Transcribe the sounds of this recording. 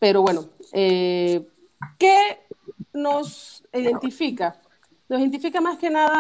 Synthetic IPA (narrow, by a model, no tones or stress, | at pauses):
peɾo̞βwe̞noe | ke | nosiðe̞nt̪ifika | nosint̪̬ifikamaskenaða